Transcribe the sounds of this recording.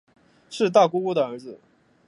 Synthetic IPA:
ʂɻ̩˥˧t̪̬a˥˩ku˥ku˥d̪ə˨ə˞˧˥d͡zɹ̩˧

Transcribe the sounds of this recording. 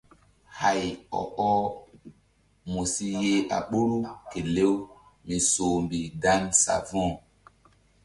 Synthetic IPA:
ha˨jɔ̰˨ʔɔ˦ | mo˨si˦je˦ʔa̰˨ɓo˦ɾu˦ke˨le˦w | mi˨so˨mbi˨da˦nsa̰˨vɔ̃˦˨

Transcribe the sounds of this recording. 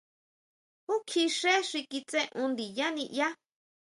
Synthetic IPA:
hu˦kʰi˧ʂe˦ʂi˧ki˧t͡sẽ˦ʔũ˧nd̪i˨ja˦nĩ˧ʔja˦

